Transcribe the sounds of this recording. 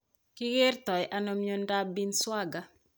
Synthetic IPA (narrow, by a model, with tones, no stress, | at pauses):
kɪ˦ɣɪ˦rtɔ˨jʔa˦no˦mjo˦nda˦bi˦nswa˦ɡa˦